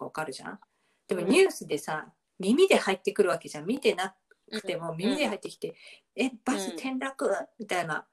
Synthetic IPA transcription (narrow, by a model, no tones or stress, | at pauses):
βakaɾɯ̟ʑã̰ | d̪̥e̞mo̞ɲ̟ɨːsɨd̪e̞sa | mʲimʲid̪e̞hait̪ːe̞kɯ̟ɾɯ̟βake̞ʑãmmʲit̪e̞na | kɯ̟̥t̪e̞mo̞mʲimʲid̪e̞ɦait̪ːe̞kʲi̥t̪e̞ | eb̥asɨt̪ʰẽ̞nɾakɯ̟mʲit̪aina̰